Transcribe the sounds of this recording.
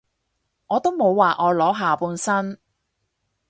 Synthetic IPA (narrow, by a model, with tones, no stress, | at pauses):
ŋɔː˨˧t̪o˥wmo˨˧wːaː˨ʔɔː˨˧lɔː˨˥ɦaː˨puː˧nsɐ˥n